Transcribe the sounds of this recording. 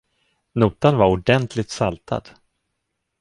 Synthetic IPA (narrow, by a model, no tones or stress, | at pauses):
nuːt̪anvaɾʊɖɛnt̪ʰlɪt̪salt̪ʰa̰d̪̥